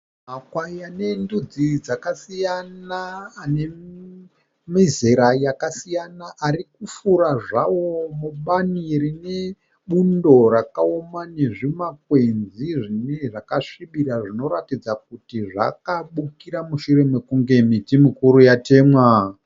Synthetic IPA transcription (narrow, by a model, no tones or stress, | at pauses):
ɦakwaijane̞ndud͡zid͡zakasijanaːne̞ | mizeɾajakasijanaʔaɾikufuɾaʐawomuɓanirine̞ | ɓundo̞rakaomane̞ʐimak̚wenziʐineʐakaʂiɓiɾaʐino̞ɾatid͡zak̚utiʐa̰kaɓukiɾamuʃure̞me̞kuŋɡe̞mitimikuɾujate̞ːmwa